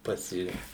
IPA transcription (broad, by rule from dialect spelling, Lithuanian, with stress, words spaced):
ˈpɑːsʲɪ